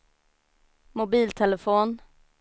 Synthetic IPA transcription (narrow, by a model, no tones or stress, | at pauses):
mʊbiːlt̪ʰɛləfoːn